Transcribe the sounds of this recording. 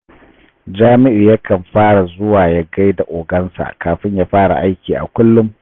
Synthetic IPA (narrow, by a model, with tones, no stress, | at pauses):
d͡ʒaː˦mɪ˦ʔɪ˨ja˦kɐ˨mɸaː˦ɽa˨zʊ˦waː˨ja˦ɡa˦jda˨ʔoː˨ɡɐ˦nsa̰˨kaː˨ɸɪ˦ɲjaː˦ɸaː˦ɽa̰˨ʔa˦jkʲiː˨ʔa̰˨kʷʊ˦lːʊ˦m